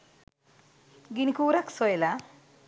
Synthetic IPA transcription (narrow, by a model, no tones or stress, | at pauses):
ɡinikuːɾaksɔjla